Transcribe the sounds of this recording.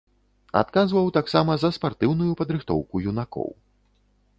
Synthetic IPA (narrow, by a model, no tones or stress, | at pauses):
a̰t̪̚kazvɐwt̪aksamɐzɐspart̪ɨwnujupɐd̪ɾɨxt̪ɔ̰wkujunakɔ̰w